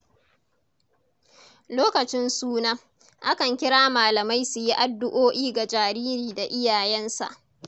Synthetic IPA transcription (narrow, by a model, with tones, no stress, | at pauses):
loː˦kɐ˨t͡ʃɪ˦nsuː˦na˦ | ʔa˦kɐ˨ŋkʲɪ˦ɽaː˦maː˨lɐ˨ma˦jsu˨ji˦ʔa˨dːʊ˦ʔoː˦ʔiː˦ɡa˨d͡ʒaː˨ɾiː˦ɾiː˨da˨ʔɪ˦jaː˨jɛ˦nsa̰˨ʔ